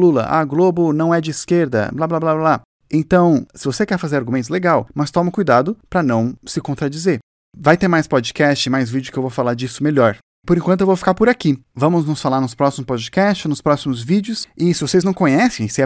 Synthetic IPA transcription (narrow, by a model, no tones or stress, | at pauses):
lulɐ̰ʔa̰ɡlobʊnɐ̃w̃ɛd͡ʒɪːskeɾd̪ɐ̰blablablabla | ẽnt̪ɐ̃w̃sɪvosekɛɾfazeɾaɾɡumẽt̪ʊzleɡawmɐst̪ɔ̃mɐkujd̪ad̪ʊpɾɐnɐ̃w̃sɪkõnt̪ɾad͡ʒizeɾ | vajt̪eɾmajspɔd͡ʒikɛst͡ʃɪmajzvid͡ʒʊkɪewvowfalaɾd͡ʒisʊmeʎɔɾ | poɾẽkt̪ʊewvowfi̥kaɾpʊɾakivɐ̃mʊznʊsfalaɾnʊspɾɔsimʊspɔd͡ʒikɛst͡ʃɪnʊspɾɔsimʊzvid͡ʒɪʊsɪsɪvosejznɐ̃w̃kõɲɛsẽj̃sɪɛ